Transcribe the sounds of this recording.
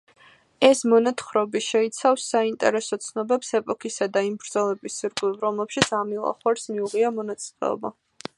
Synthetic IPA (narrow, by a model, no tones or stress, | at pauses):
ɛsmɔnat̪χɾɔbiʃɛit̪sʰafsːaint̪ʼɛɾɛsɔt̪sʰnɔbɛpsɛpʼɔkʰisad̪aimbɾd̪zɔlɛbisːiɾkʼlivɾɔmlɛpʃit̪sʰamilˠa̰χwaɾsmiuʁiamɔnat̪sʰʼlɛ̰ɔ̰ba